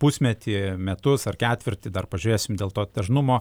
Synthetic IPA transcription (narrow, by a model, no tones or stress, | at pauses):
pʊsʲmʲɛt̪ʲiːmʲɛt̪ʊsɐrkʲæːt̪ʲʋʲɪrʲt̪ʲɪd̪ɐrpɐʒʲʊɾʲeːsʲɪmd̪ʲeːlˠt̪oːt̪ʲɛʒnʊmoː